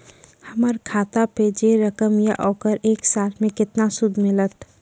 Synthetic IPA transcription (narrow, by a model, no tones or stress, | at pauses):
həməɾkʰaːt̪aped͡ʒeɾəkəmja̰ʔɔːkəɾeːksaːt̪ʰmẽkɪt̪nasʊd̪ʱmɪlət̪